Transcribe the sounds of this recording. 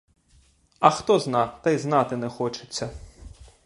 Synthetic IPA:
ɐxt̪ɔznɑt̪ɐjznɑt̪ɪnɛxɔt͡ʃɪ̥t͡sʲːɐ

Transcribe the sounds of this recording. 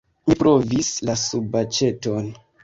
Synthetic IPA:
mipɾo̞vislasubat͡ʃe̞ton

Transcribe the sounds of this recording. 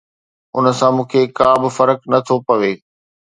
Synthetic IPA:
ʊ̰nə̆sãmũːkʰekaːbɪfɐɾəknɐt̪ʰopɐʋeː

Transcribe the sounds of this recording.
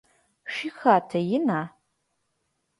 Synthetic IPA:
ʃixaːtʰɐjɪnaː

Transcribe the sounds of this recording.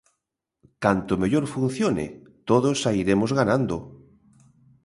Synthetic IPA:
kant̪omeʎoɾfun̟θjonɪ̰ | t̪oðosaiɾemozɣanãnd̪o

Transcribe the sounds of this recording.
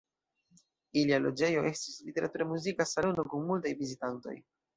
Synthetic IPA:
ilialo̞̰d͡ʒe̞jo̞ʔe̞stislite̞ɾʔatuɾemuzikasalono̞kunmultajvizitanto̞̰j

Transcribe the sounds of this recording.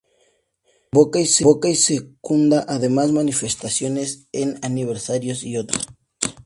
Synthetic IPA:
bokaiseokaisekund̪aʔaðemazmanifest̪asjoneseŋaniβ̞eɾsaɾjosiot̪ɾo

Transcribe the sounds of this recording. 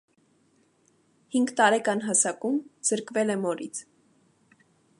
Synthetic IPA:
hiŋɡt̪ɑɾɛkɑnɦɑsɑkumz̥əɾkvɛlɛmɔɾit͡sʰ

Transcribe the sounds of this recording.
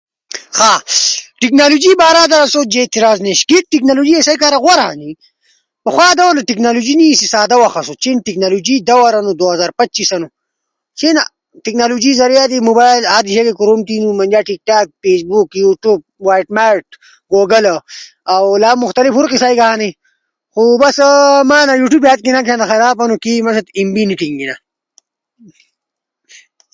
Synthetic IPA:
xaʈiknaːlud͡ʒibaːɾaːd̪ɐɾɐsoːd͡ʒeːt̪iɾaːzneʃkit̪̚ʈiknaːluːd͡ʒiesajkaɾɐɣwaɾaa̰ni | bɐxwaːd̪ɐwɐɾnaʈiknaːlud͡ʒinisisaːd̪awaxɐsot͡ʃʰinʈiknaːluːd͡ʒid̪ɐwɐɾɐnud̪oːɦɐzaːɾpɐt̚t͡ʃisɐnu | t͡ʃʰena | ʈiknaːlud͡ʒizɐɾijad̪imubaːjlad̪iʃekekuɾumt̪inumɐnd͡ʒaːʈik̚ʈaːk̚feːsbukjuʈuːb̚waːjʈmaːʈ̚ | ɡoːɡɐl | awlaːmʊxt̪ɐlifuɾqisaːiɡɐɦaːni | xubɐsmaːnajuːʈuːbat̪̚kinakʰaːnaxɐɾaːpɐnukimasat̪imbiniʈiŋɡina

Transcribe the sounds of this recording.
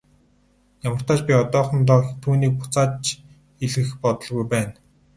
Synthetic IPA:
jamə̆r̥t̪ʰaːt͡ɕpʲiɔt̪ɔːχɞ̆nt̪ɔːt̪ʰuːniːk̚pʊ̥t͡saːt͡ɕ | iɮɣɘ̆xpɔt̪ɞ̆ɮɣujpæːn

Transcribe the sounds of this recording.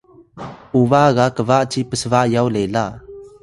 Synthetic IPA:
uvaɣakəvaʔt͡ʃipəsəvaʔjawlela

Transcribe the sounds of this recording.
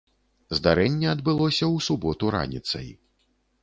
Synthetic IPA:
zd̪aɾɛnʲːɛɐd̪bɨlˠɔsʲɐwsubɔt̪uɾa̰nʲit̪sɐ̰j

